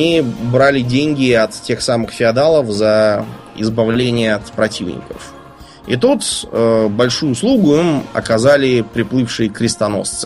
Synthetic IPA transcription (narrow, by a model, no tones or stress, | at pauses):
ibɾalʲɪdʲenʲɡʲɪɐt̪tʲe̞xsamɨxfʲɪɐd̪alˠəfzə | ɪ̰zbɐvlʲenʲɪjəɐt̪pɾɐtʲivnʲɪ̰kə̰f | ḭt̪ut̪əbɐlʲʂujʊːslˠuɡʊimɐ̰kɐzalʲɪpɾʲɪplˠɨfʂɨjɪkɾʲɪst̪ɐno̞̰st̪sɨ̥